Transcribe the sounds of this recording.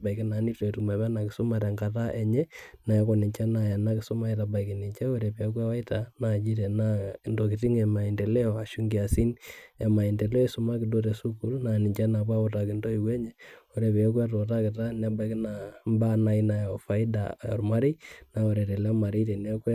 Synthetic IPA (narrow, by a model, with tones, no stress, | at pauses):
ba˨i˨ki˦na˨˦ni˦to˨tu˨ma˨βɛ˦na˨kɪ˨sʊ˦ma˨ɾa˨ŋɡa˨ta˦ʔe˨ɲɛ˦na˨jɔ˦kɔ˨nɪ˨ɲt͡ʃa˦na˨ja˨na˦kɪ˨sʊ˦ma˦i˨ta˨ba˨iki˨ni˨ɲt͡ʃɛ˦o˦ɾe˨pe˨˦k̬wɛ˦wa˦i˦ta˨na˨d͡ʒi˦tɛ˨na˦˨ndo˨kɪ˨ti˦ŋɛ˨ma˨i˨ndɛ˨lɛ˦ɔ˨a˨ʃu˦ŋɡi˨a˨si˦nɛ˨ma˨i˨nde˨lɛ˦su˨ma˦kɪ˨do˦ɾe˨su˦ku˦lna˨nɪ˨ɲt͡ʃɛ˦na˨pa˦ɔ˨ta˨kɪ˨ndo˦i˨kwɛ˦ɲɛ˦o˨ɾe˨pe˨˦kwa˦tɔ˨ta˦kɪ˨ta˦na˦ba˨i˨kna˨mba˦na˨i˦na˨jɔ˨fa˨˦i˦da̰˨ɔ̰˨rma˦ɾi˦na˨o˨ɾe˨te˨lɛ˦ɔ˦ma˨ɾi˦tɛ˨nɛ˦k